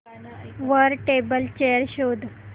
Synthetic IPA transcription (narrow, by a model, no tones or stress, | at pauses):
ʋəɾʈebəlt͡ɕejəɾɕod̪ʱ